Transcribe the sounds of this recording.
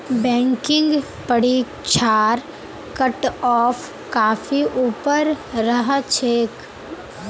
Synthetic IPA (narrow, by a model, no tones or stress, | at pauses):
bɛ̃ːŋkɪ̃ŋɡ | pəɽi | t͡ʃʰaːɾ | kəʈɔːp | kaːfiʔuːpəɾːəɦt͡ʃʰeːk